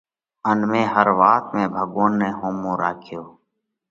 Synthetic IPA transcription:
ənmẽːhəɾʋaːt̪mẽːbʱəɠoːnːẽːɦoːmõːɾaːkʰjoː

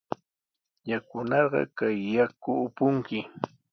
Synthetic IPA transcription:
jakʊnɑɢɑ̰kajːakʊːpʊŋkɪ

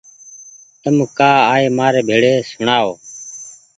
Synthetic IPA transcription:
t̪əmkaːaːeːmaːɾeːbʱeːɽeːsʊɳaːoː

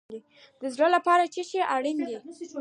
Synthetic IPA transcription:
d̪i | d̪əzɽəlapɑɾat͡ʃeʃeʔaɽind̪i

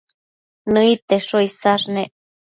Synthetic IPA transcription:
nɨit̪eʂoisaʂneʔ

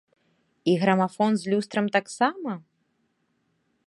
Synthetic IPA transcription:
iɣɾɐmafɔnzʲlʲust̪ɾɐmt̪aksamɐ

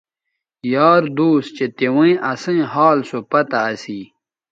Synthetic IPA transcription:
jaːɾd̪uːst͡ɕet̪ewẽĩʔɐsĩɦaːlsopɐt̪aːsiː

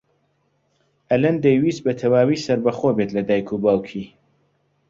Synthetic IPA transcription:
ʔɐlɐnd̪ejwiːs̚bɐt̪ʰɐwaːwiːsɐɾbɐxoːbet̪lɐd̪aːjkʰubaːwkʰiː

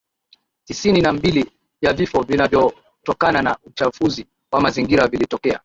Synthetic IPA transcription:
tisininambili | javifɔvinavjɔ | tɔkananaut͡ʃafuzi | wamaziŋɡiɾavilitɔkɛa̰

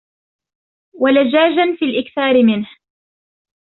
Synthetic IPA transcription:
walad͡ʒaːd͡ʒanfiːlʔɪkθaːɾɪmɪnh

